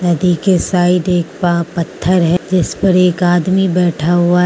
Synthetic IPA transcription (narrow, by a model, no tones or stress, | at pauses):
t̪ɐd̪ʱikesaːɪʈeːk̚papɐt̪ʰːəɾɦɛd͡ʒɪspɐɾeːkaːd̪mibɛːʈʰaɦʊa